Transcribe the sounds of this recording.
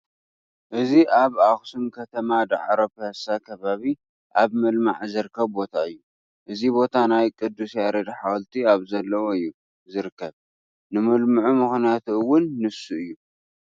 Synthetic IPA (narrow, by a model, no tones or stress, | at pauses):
ʔɨziʔaβaxsumkʰɐt̪ʰɐmad̪a̰ʕɾopasakʰɐβaβi | ʔaβmɨlma̰ʕzɨɾɨkːɐβbo̞t̪ʰaɨjːu | ʔɨzibo̞t̪ʰanajkʼɨd̪ːusjaɾɐd̪ħawlt̪ʰiaβzɐlːɐwoɨjːu | zɨɾɨkʰːɐβ | nɨmɨlmɨʕumɨxnjat̪ʰuɨwʊnːɨsuɨjːu